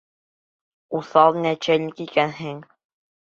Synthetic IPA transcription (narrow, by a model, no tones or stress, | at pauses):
uθɑlˠnæt͡ɕælʲɘkikænɦɘŋ